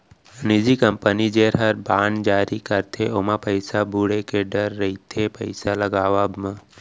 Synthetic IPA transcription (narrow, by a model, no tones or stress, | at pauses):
nid͡ʒikəmpənid͡ʒeːɾɦəɾbaːɳd͡ʒaːɾikəɾt̪ʰeʔoːmãpəɪsabʱuɽekeɖəɾːɐɦit̪ʰepəɪsalɐɡaːʋabmə̃